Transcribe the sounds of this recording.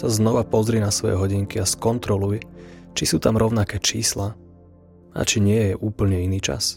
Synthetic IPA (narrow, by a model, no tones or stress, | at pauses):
saznɔʋapɔzɾinasʋɔjɛ̰ɦɔɟiŋkiaskɔnt̪ɾɔlujt͡ʃisuːt̪amɾɔʊnakɛːt͡ʃiːsla | a̰t͡ʃiɲɪɛjɛʔuːpl̩ɲɛiniːt͡ʃa̰s